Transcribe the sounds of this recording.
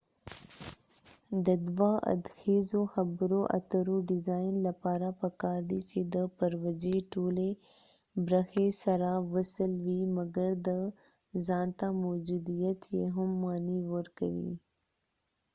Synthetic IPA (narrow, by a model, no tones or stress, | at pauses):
d̪əd̪waʔɐ̰d̪xeːzoxɐbɾoʔɐ̰t̪əɾoɖɪzaːjnlɐpaːɾapəkaːɾd̪it͡ʃed̪əpɐɾwəd͡ʒeʈoːle | bɾəxesɐɾaʋəsəlwimɐɡəɾd̪ə | zɑːnt̪amɔːd͡ʒuːd̪ijət̪jeɦʊmːaːniwəɾkə̰ʋḭ